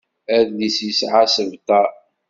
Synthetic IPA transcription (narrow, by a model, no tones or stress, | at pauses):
æðlisəsʕasəvt̪a